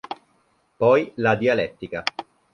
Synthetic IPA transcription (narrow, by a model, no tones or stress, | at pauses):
pɔjlad̪ialɛt̪ːika